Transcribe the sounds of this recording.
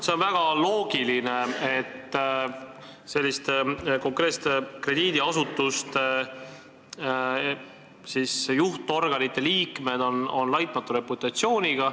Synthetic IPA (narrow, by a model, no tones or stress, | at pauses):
se̞o̞nvæɡ̥ɑlo̞ːɡ̥iline̞et̪ː | se̞lʲːist̪eko̞ŋkɾe̞ːst̪ekre̞d̪̥iːd̪̥iɑsut̪ːˑust̪ | sisjuht̪o̞rɡ̥ɑnit̪ːˑe̞liːkme̞d̪̥o̞no̞̰nlɑjt̪̚ˑmɑt̪ːˑuɾe̞put̪ːˑɑt̪sio̞ːnʲiɡ̥ɑ